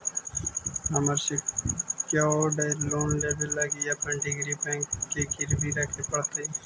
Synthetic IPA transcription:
ɦəməɾsekjaːoːɖeloːnleːbəlːəɡiəpənɖɪɡɾiːbɛ̃ːŋkːekɪɾbʱiɾəkʰepəɽt̪e

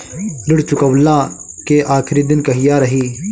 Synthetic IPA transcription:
lɪɽt͡ʃʊkəʋlãː | keʔaːkʰɪɾiːd̪ɪnkɐɦɪjaːɾɐɦiː

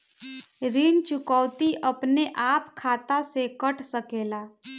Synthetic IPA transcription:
ɾiːnt͡ʃʊkɔːʊt̪iʔəpneʔaːpkʰaːt̪asekəʈʰsəkeːlaː

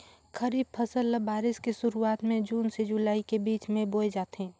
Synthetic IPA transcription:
kʰəɾiːb̚pʰəsəlːəbaːɾɪskesʊɾuaːt̪mẽd͡ʒuːnsed͡ʒʊlaːikebiːt͡ʃmẽboːjd͡ʒaːt̪ɦɛ̃ː

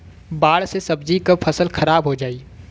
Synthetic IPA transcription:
baːɽsesɐbd͡ʒikɐpʰɐsəlxʰɐɾaːbɦod͡ʒaːiː

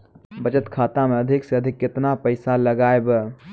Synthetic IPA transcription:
bəd͡ʒət̪kʰaːt̪ameəd̪ʱɪkseəd̪ʱɪkːɪt̪napəɪsaləɡaːeb

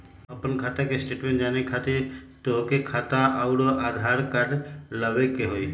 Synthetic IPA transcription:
əpənkʰaːt̪akesʈeːʈmẽɳʈd͡ʒaːnekʰat̪et̪oɦkekʰaːt̪aʔəʊɽoʔaːd̪ʱaːɾkəɾləʋekeɦoi

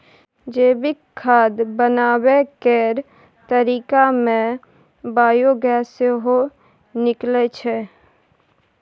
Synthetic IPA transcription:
d͡ʒeːbɪkkʰːaːd̪bənaːbekeɾ | t̪əɾiːkamẽ | baːjoɡɛːseɦo | nɪklɛt͡ʃʰɛ

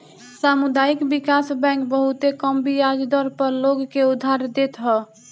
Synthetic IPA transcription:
samud̪aikbikasbɛ̃ŋkbəɦut̪ekəmbijad͡ʒd̪ɔɾpəɾloɡkeud̪ʱːaɾd̪et̪ɦɔ

